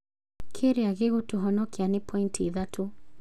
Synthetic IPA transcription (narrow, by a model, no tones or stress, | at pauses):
kʰiɾiaɣiɣutuɦɔnɔkianipʰɔintiːðatʰu